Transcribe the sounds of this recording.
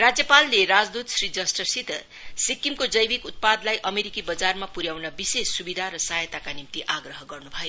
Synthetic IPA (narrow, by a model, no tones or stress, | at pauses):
rad͡zjʌpalːeɾad͡zd̪ut̪srid͡zʌsʈʌsit̪ʌ | sikimkod͡zʌjbikut̪̚pad̪lajʔʌmeɾikibʌd͡zarmapuɾjawnʌbisesːubid̪ʱaɾʌsajʌt̪akanimt̪iʔaɡrʌɦʌɡʌrnubʱʌjo